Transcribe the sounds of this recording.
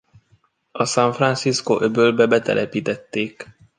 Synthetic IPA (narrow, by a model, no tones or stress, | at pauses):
ɒsaɱfransiskoʔøbøːlbɛbɛt̪ɛ̰lʔɛpiːt̪ɛt̪ːeːk